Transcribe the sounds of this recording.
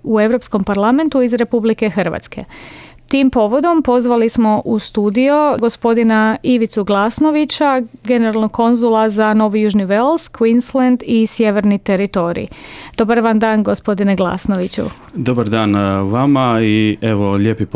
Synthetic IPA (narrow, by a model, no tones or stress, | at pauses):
ue̞ʋɾo̞psko̞mpaɾlˠament̪uizɾe̞publike̞xərʋa̰t̪ske̞̰ | t̪iːmpo̞ʋo̞d̪o̞mpo̞zʋalismo̞ʔust̪uːd̪ijoɡo̞spo̞d̪inaiʋit̪suɡlˠasno̞ʋit͡ɕaɡe̞neɾalˠnoɡkʰːo̞nzulˠazano̞ʋijuʒniʋelskʋinslend̪isje̞ʋe̞ɾnit̪e̞ɾit̪o̞ɾḭd̪̥o̞baɾʋand̪aːnɡospo̞d̪ineɡlˠa̰snoʋit͡ɕṵ | d̪obaɾd̪aːnʋamaieʋoʎepip